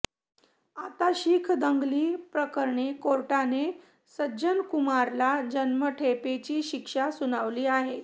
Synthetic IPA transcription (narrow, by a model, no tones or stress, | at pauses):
at̪aɕiːkʰd̪əŋɡliːpɾəkəɾɳekoɾʈane | səd͡ʑənkumaɾlad͡ʑənməʈʰepet͡ɕiːɕikʂasuñaʋliːaɦe